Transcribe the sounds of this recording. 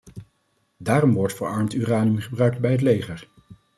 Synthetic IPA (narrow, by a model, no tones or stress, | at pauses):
daːrɔmʋɔɹtfəɹɑɹmtyːraːniəmχəbrœɥk̚tbɛjɦət̬lejχəɹ